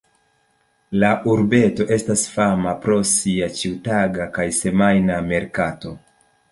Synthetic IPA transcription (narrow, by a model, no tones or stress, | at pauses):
laʔuɾbe̞to̞ʔe̞stasfamapɾo̞siat͡ʃiwtaɡakajse̞majname̞ɾkato̞